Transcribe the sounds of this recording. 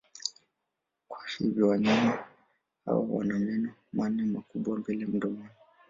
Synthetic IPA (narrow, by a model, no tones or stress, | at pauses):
kwaʃivjɔwaɲama | ha̰wa̰wa̰namɛnɔmanɛmakuɓwambɛlɛm̩ɗɔmɔnɔ